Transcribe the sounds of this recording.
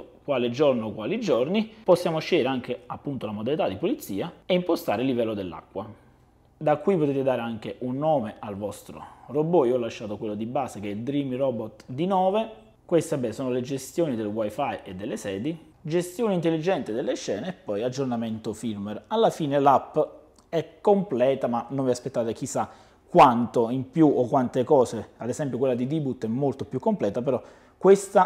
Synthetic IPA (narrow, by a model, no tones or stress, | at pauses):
kwaːled͡ʒornokwaːlid͡ʒorniposːjaːmoʃːɛjeɾeaŋk̟eapːunt̪olamod̪alit̪ad̪ipolit̪sːiːaeimpost̪aːɾeɪlːivɛlːod̪elːa̰kːwa | d̪akːwipot̪eːt̪ed̪aːɾeaŋk̟eʔunːɔːmealvɔst̪ɾo̰robːoiːɔlːaʃːaːt̪okwelːod̪ibaːsek̟ɛild̪ɾimrɔbot̪d̪inɔːve | kwest̪ebːɛːnsoːnoled͡ʒest̪joːnid̪elwajfajed̪ːelːesɛːd̪i | d͡ʒest̪joːnint̪elːid͡ʒɛnt̪id̪elːeʃːɛːneːpːɔjad͡ʒornament̪ofilmɛralːafiːnelapː | ɛkːomplɛːt̪amanoɱviaspet̪ːaːt̪ek̟isːa | kːwant̪oimpjuokːwant̪ekɔːsead̪esɛmpjokwelːad̪id̪ibut̪ːɛmːolt̪opjukːomplɛːt̪apeɾɔ | kːwest̪a